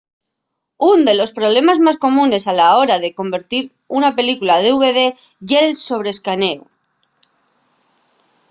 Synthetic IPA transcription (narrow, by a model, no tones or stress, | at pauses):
und̪e̞lo̞spɾo̞β̞le̞mazmasko̞mũne̞salao̞ɾaðe̞ko̞mbe̞ɾt̪iɾ | unape̞likulað̞euβe̞ðe̞ | ʝe̞lso̞β̞ɾeskane̞u